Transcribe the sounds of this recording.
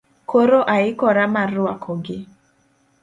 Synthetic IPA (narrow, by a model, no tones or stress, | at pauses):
kʰoɾoʔaɪkɔɾamaɾʊakʰɔɡɪ